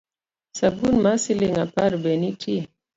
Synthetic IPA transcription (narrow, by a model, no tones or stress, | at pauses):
sabunmasileŋapaɾbɛnitʰie